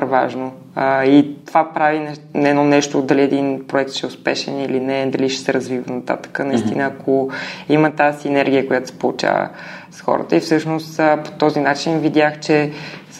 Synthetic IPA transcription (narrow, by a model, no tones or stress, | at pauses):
ɾvaʒno | əit̪ovapɾavinɛɛnɔnɛʃt̪od̪ɐliɛd̪inpɾoɛkt̪ʃɛʊspɛʃɛ̰nilinɛd̪ɐliʃɛ̥sɛɾɐzvivənɐt̪a̰t̪ə̥kənɐist̪inəːkʰoimət̪asinɛɾɡʲijəkʊjat̪ʊ̥sɛ̥polˠut͡ʃa̰və̰sxɔ̰ɾə̰t̪əifsɤʃnost̪po̥t̪ɔzinat͡ʃinvid̪ʲjaxt͡ʃɛ